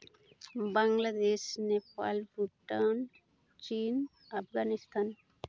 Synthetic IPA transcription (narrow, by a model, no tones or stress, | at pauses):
bɐŋɡlad̪eːʃnepa̰ːlfuʈːawn | t͡ʃiːn | ɐpɡaːnist̪ʰaːn